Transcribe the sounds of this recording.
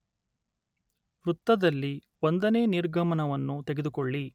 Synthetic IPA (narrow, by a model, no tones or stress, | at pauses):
ɾut̪ːɐd̪ɐlːi | ond̪ɐne̞ːniɾɡʱɐmɐnɐʋɐnːut̪eɡe̞d̪ukoɭːi